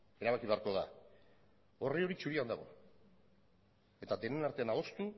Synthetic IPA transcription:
e̞ɾaβ̞akiβe̞aɾko̞ða̰ | o̞rio̞ɾit͡ʃuɾiand̪aɣ̞o̞̰ | e̞t̪ad̪e̞ne̞naɾt̪e̞anaðo̞st̪u

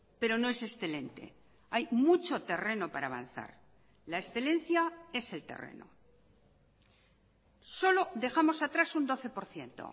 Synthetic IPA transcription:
pe̞ɾo̞no̞e̞se̞sθe̞le̞nt̪ḛ | ajmut͡ʃo̞t̪e̞re̞no̞paɾaβa̰n̟θa̰ɾ | lae̞sθe̞lẽ̞n̟θjae̞se̞lt̪e̞̰rḛno̰ | so̞lo̞ðe̞xamo̞sat̪ɾasund̪o̞θe̞po̞ɾθje̞nt̪o̞̰

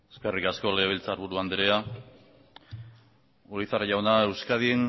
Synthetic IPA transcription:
eskerikasko̞leβilt͡saːɾβuɾuand̪eɾea | uɾiθaraʝawnae̞wskaðien

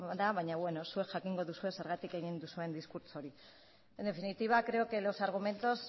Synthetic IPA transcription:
ðaβaɲaβwe̞no̞sue̞kʝakiŋɡo̞ðusue̞se̞ɾɣat̪ike̞ɣind̪usue̞nd̪iskuɾt͡soɾi | end̪e̞finit̪iβ̞akɾe̞okelosaɾɣume̞nt̪os

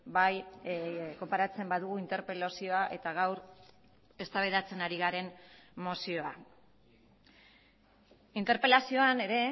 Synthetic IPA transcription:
baj | ko̞mpaɾat͡se̞mbaðuɣ̞uint̪e̞ɾpe̞losio̞aʔe̞t̪aɣ̞awɾ | e̞st̪aβ̞eðat͡se̞naɾiɣaɾe̞nmo̞sio̞a | int̪e̞ɾpe̞lasio̞ane̞ɾe̞

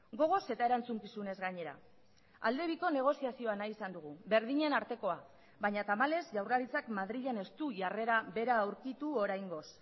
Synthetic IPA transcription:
ɡo̞ɣ̞o̞se̞t̪aeɾant͡suŋkisune̞zɣaɲe̞ɾa̰ | a̰ld̪e̞β̞iko̞ne̞ɣ̞o̞siasio̞anaisand̪uɣ̞uβe̞ɾð̞iɲe̞naɾt̪e̞ko̞a | βaɲat̪amale̞zʝawraɾit͡sakmaðɾiʎene̞st̪uʝare̞ɾaβe̞ɾaːwɾkit̪uo̞ɾajŋɡo̞s

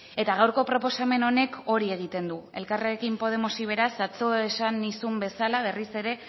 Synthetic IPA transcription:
e̞t̪aɣawɾko̞pɾo̞po̞same̞no̞ne̞kʰo̞ɾie̞ɣ̞it̪e̞nd̪ue̞̰lkareekimpo̞ð̞e̞mosiβ̞e̞ɾasat͡so̞esanisumbe̞salaβ̞e̞rise̞ɾe̞

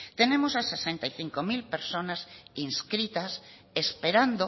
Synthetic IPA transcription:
t̪enemosasesẽnt̪aiθiŋkomilpeɾsonasinskɾit̪ɐs | espeɾand̪o

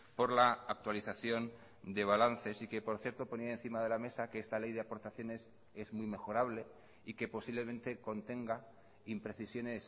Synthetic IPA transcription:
po̞ɾlaːk̚t̪waliθaθjo̞n | d̪e̞β̞alanθe̞sikepo̞ɾθje̞ɾt̪o̞po̞niaen̟θimaðe̞lame̞sakeest̪ale̞jðeapo̞ɾt̪aθjo̞ne̞s | e̞zmwujme̞xo̞ɾaβle̞ | ike̞po̞siβle̞mẽ̞nt̪e̞ko̞nt̪e̞ŋɡa | impɾe̞θisjo̞ne̞s

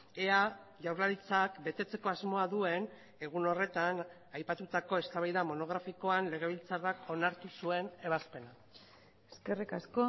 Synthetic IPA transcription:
ea | ʝawɾlaɾit͡sakbe̞t̪e̞t͡se̞ko̞azmo̞aðue̞n | e̞ɣ̞uno̞re̞t̪an | ajpat̪ut̪ako̞e̞st̪aβajðamo̞no̞ɣ̞ɾafiko̞anle̞ɣ̞e̞β̞ilt͡sarako̞naɾt̪usue̞ne̞β̞aspe̞na | eskerikasko

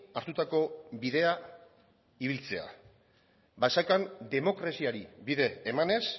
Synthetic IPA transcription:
aɾt̪ut̪ako̞βiðe̞a | iβilt͡se̞a̰ | basakand̪e̞mo̞kɾasiaɾiβiðe̞ːmane̞s

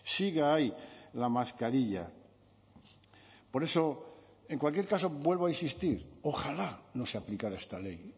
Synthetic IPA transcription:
siɣaajlamaskaɾiʎa̰ | po̞ɾe̞so̞ | e̞ŋkwalkje̞ɾkaso̞bwe̞lβoainsist̪iɾo̞xalano̞seaplikaɾaest̪ale̞j

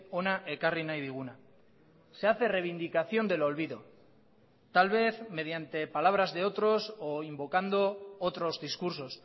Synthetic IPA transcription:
onaʔekarinajðiɣ̞una | se̞aθe̞reβind̪ikaθjo̞nd̪e̞lo̞lβiðo̞ | t̪alβe̞θme̞ð̞jant̪e̞palaβ̞ɾazðe̞o̞t̪ɾo̞soimbo̞kand̪o̞ot̪ɾo̞zðiskuɾso̞s

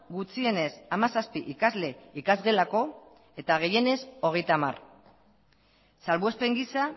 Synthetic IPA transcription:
ɡut͡sie̞ne̞samasaspiʔikazle̞ikazɣe̞lako̞ | e̞t̪aɣ̞e̞je̞ne̞so̞ɣ̞e̞jt̪ama̰r | salβue̞spe̞ŋɡisa

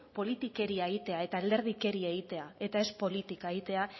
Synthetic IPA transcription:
po̞lit̪ike̞ɾiaeɣit̪e̞ae̞t̪aːld̪e̞ɾð̞ike̞ɾie̞ɣ̞it̪e̞ae̞t̪ae̞spo̞lit̪ikaeɣit̪e̞a

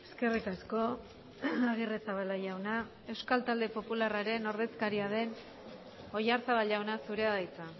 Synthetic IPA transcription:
e̞ske̞rikasko̞ | aɣ̞iresaβalaʝawna | e̞wskalt̪ald̪e̞po̞pularaɾe̞no̞ɾðe̞skaɾiaðe̞n | o̞jaɾsaβalʝawnasuɾe̞aðajt͡sa

